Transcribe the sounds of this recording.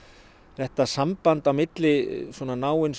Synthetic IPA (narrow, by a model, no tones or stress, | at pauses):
θɛht̪asampant̪avmɪt̪lɪsɔːnanaːwɪns